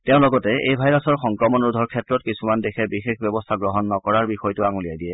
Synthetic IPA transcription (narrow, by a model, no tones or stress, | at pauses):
tɛʊ̃lɔɡɔtɛejbʱajɹasɔɹxɔŋkɹɔmɔnɹudʱɔɹkʰɛtɹɔtkisumandexʰɛbixexbjɔbɔstʰaɡɹɔɦɔnːɔkɔɹaɹbixɔjtʊaŋulijajdijɛ